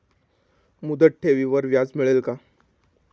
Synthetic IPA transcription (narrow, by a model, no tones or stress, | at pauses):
mud̪əʈ̚ʈʰeʋiʋəɾʋjad͡zmiɭelka